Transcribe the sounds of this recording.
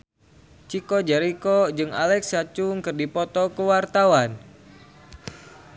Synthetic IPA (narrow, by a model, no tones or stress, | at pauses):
t͡ʃikɔd͡ʒɛɾikɔd͡ʒɨŋa̰lɛksat͡ʃuŋkɨrdipɔt̪ɔkəwart̪awan